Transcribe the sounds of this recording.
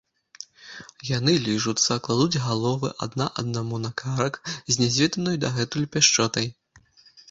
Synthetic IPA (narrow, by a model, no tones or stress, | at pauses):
janɨlʲiʐut̪sːɐklˠad̪ud͡zʲɣalˠɔvɨ̰ʔɐ̰d̪naʔɐ̰d̪namunakaɾɐkzʲnʲɛzʲvʲɛd̪ɐnɔjud̪ɐɣɛt̪ulʲpʲaʂt͡ʂɔt̪ɐj